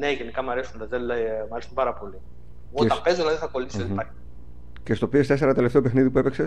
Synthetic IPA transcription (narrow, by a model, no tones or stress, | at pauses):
ne̞ʝenikɐmɐɾesund̪ɐzellɐmɐɾesumpɐɾɐpo̞li | ɣoɐpe̞zolɐðiθɐko̞liisoipɐɾçi̥ | cest̪opiest̪e̞se̞ɾɐt̪e̞left̪e̞o̞pe̞xniðip̬uepekse̞